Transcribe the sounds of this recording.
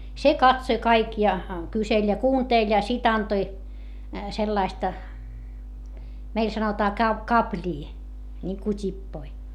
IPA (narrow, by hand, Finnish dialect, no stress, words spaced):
se kɑtsoĭ kɑik jɑ kyselʲ jɑ kuːnteˑlʲ jɑ sit ɑntoi selːɑistɑ meil sɑnotɑː kɑp kɑplʲiː nʲiŋku tʲipːoi